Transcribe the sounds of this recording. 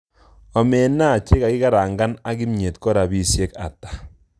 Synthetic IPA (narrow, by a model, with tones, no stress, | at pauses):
ɔ˨mɛ˨na˦˨t͡ʃe˦ka˨ki˦ka˦ɾaː˨ŋɡa˦na˦ki˦mɲe˨tkɔ˦ɾa˨bi˦sjɛ˦ka̰˨tḁ˨